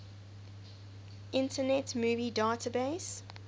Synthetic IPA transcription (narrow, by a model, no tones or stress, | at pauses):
ʔɪ̃ntənɛtmuːvidaːtʰəbeɪs